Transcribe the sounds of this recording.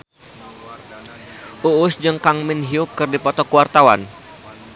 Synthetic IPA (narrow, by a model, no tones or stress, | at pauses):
ʔuːsd͡ʒəŋkaŋmɪnɦiukɨrdipɔt̪ɔkuwart̪awa̰n